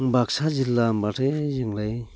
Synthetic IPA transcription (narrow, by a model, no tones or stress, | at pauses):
ŋbak̚sazilːambatʰezɯŋlɯj